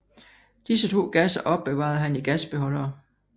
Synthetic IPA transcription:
d̥isət͡sʰo̝̰ːɡ̥æsɐʔɒ̽b̥ːe̝ʋɑ̰̈ð̞̩ˠɦæniɡ̥æsb̥e̝ɦɒ̽l̰ɐː

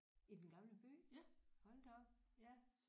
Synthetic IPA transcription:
id̥enɡ̥ɑ̈mləb̥y̰ːhɒ̽nd̥ɒm

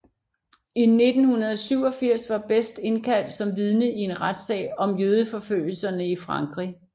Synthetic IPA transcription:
ine̝d̥n̩hunɐð̞ˠɒsyʊ̰ɒ̽fiɐ̰sʋɑ̈b̥esd̥e̝nkʰæl̰d̥sɒ̽mʋiðˠnəie̝nʁad̥sɛ̰ːɒ̽mjøːð̞ˠəfɒ̽føl̰l̩sɐnəifʁɑ̈ŋɡ̥ʁi

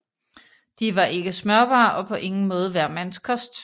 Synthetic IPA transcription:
d̥iʋɑ̈ʔe̝ɡ̥əsmɶɐ̰b̥ɑ̰̈ːʔɒ̽pʰɒ̽ʔe̝ŋn̩mɔ̽ːð̞ˠəʋæɐ̰mænskʰɒ̽sd̥

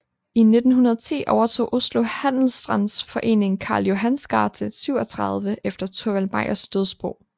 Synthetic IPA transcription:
ine̝d̥n̩ɦunɐð̞ˠɐt͡sʰḭːʔɒʊɐt͡sʰo̝̰ːʔo̝slo̝hæn̰l̩sd̥ʁɑn̰sfɒ̽ʔe̝̰ːne̝ŋkʰɑ̈ːljo̝ɦænsɡ̥ɑ̰̈ːt͡sʰəsyʊ̰ɒt͡sʰʁɑð̞ˠʋəʔefd̥ɐt͡sʰoʋælmɑ̈ɪ̰ɐsd̥øð̞ˠsb̥ʁɔʊ̰

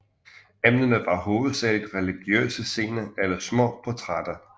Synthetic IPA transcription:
emnən̩æʋ̥ɑ̈ːho̝ːð̩ˠsæɐlid̥ʁɛliɡ̥jø̰ːsəse̝ːnɐelɐsmɔ̰̽ːpʰɒt͡sʰʁad̥ɐ

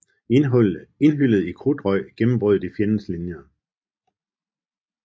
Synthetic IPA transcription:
e̝nɦyl̰ð̞̩ˠikʰʁud̥ʁɒ̽ɪ̰ɡ̥emm̩b̥ʁœðˠdifjenən̩slinjɐ

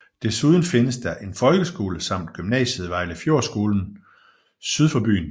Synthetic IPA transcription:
d̥e̝suð̞ˠn̩fe̝nəsd̥ɑ̈ʔe̝nfɒ̽lɡ̥əsɡ̥o̝ːləsɑ̈m̰d̥̚ɡ̥ymnɛ̰ːɕəð̩ˠʋɑ̈ɪ̰ləfjo̝ɐ̰sɡ̥o̝ːln̩ | syð̞ˠfɒb̥y̰ːn

